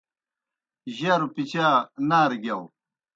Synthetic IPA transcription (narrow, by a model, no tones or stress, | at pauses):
ʑaːɾupit͡ɕaːnaːɾɡjɐw